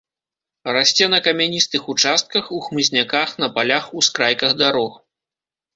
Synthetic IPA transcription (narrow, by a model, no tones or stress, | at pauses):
rasʲt͡sʲɛnɐkɐmʲanʲist̪ɨxut͡ʂast̪̚kɐxuxmɨzʲnʲakaxnɐpalʲaxuskɾajkɐɣd̪aɾɔx